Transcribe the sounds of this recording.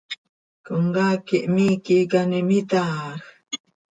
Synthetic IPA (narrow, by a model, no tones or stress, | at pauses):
kuŋɡakiʔmiːkikanimit̪ax